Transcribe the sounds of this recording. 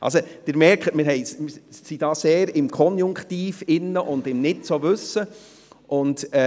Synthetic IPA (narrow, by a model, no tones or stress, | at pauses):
ʔɑ̰lsod̥ɪɾmɛɾkχətmɪɾɦɛɪmɪsid̥ɑːseːɾɪmkʰɔnjʊŋkχtiːfɪnːəʔʊndɪmnɪtt͡soʋʉsːə | ʔʊntɛ